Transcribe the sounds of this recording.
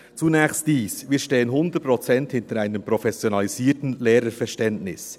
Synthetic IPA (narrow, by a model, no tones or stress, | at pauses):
t͡sunɛːçst̚d̥iːsviːʃteːənɦʊndətpɾɔt͡sɛnthɪntəɾaɪnəmpɾofɛsjonɑliziːtn̩leːɾəfɛʃtɛntnɪs